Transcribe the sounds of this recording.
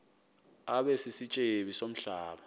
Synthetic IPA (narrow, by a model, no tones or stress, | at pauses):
aɓɛsisit͡ʃʼeɓisom̩ɬaːɓa